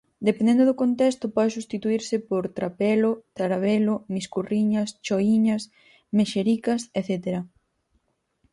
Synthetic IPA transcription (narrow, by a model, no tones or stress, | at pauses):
d̪epend̪end̪oðʊkont̪est̪ʊpɔðesust̪it̪uiɾsɪpoɾt̪ɾapɛlʊt̪aɾaβelʊmiskuriɲɐst͡ʃoiɲɐs | meʃeɾikɐseθet̪eɾɐ